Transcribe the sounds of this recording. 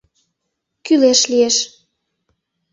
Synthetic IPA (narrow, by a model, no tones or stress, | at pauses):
kyleʃlieʃ